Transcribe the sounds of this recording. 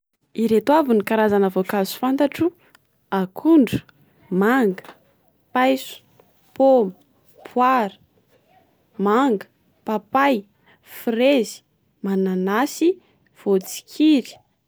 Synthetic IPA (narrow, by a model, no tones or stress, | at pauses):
iɾet̪avunikaɾazanəvokazu̥fant̪aʈ͡ʂu | akʰuɳɖ͡ʐu̥ | maŋɡə̥ | pajsu̥ | pomu̥ | pʰwaɾə̥ | maŋɡə̥ | papaj | frezi̥ | mananasi | v̥ot͡si̥kʰiɾi̥